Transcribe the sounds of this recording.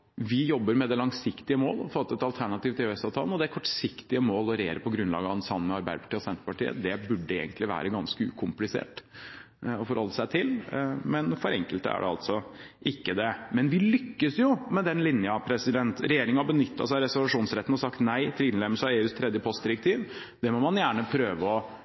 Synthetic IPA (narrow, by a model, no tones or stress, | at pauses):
ʋɪjɔbːəɾmɛd̪ɛlɑŋsɪkt̪ɪəmo̰ːlɔfot̪ːɛt̪ɑlt̪ʰæɳɑt̪iːʋt̪ʰɪøɛsɑʋt̪ʰɑlən̩ɔd̪ɛæɾkʰɔʈsɪkt̪ɪəmoːlɔɾɛjḛːɾəpʰɔɡɾʉnlɑ̰ːɡɑnsɑmmɛɑɾbæ̰ɪd̪əpʰɑ̥ʈiːɔsɛnt̪ɾəpɑʈḭːə̰d̪ɛbʉɖːəḛːɡənt̪lɪʋæ̰ːɾəɡɑnskəʉ̰ːkʰʊmplɪsḛːʈ | ɔfɔɾhɔlːəsæɪt̪ʰɪlmɛnfɔɾɛ̰ŋkəlt̪æ̰ɖɛ̰ɑ̰lt̪sɔʔɪkːəd̪ɛmɛnʋɪlʏkːəsjʊmɛd̪ɛnlɪnjɑpʰɾɛsɪd̪ɛnt̪ɾɛjeːɾɪŋənɑbənʏt̪ʰːɑ̰sæɪɾɛsʊlʋɑʂuːnsɾɛt̪ːn̩ɔsɑkt̪næɪt̪ʰɪlɪnlɛməlsɑeːʉːst̪ʰɾɛd̪jəpʰɔst̪d̪ɪɾək̚t̪ʰiːʋ | d̪̥ɛmɔmɑnjæːɳəpʰɾøːʋəɔ